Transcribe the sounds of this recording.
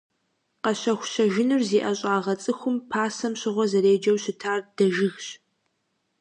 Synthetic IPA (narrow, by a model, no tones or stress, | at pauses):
qɐɕɐxʷʊ̥ɕɐʒɪnɨrziːʔɐɕʼaːʁɐt͡sʼɨxʷʊmpʰaːsɐmɕɪʁʷɔzɐɾeːd͡ʒɐwɕɪtʰaːrd̥ɐʒɪxɕ